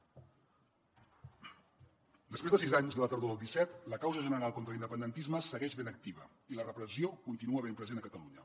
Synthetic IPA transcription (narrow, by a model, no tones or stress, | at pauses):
d̪əspɾezðəsizaɲzðələt̪əɾðoðəlˠd̪isɛt̪ləkawzəʒənəɾalˠkont̪ɾəlind̪əpənd̪ənt̪izməsəɣɛʒβenək̚t̪iβ̞ə̰ | ilərəpɾəziokunt̪inuəβempɾəzenəkət̪əluɲə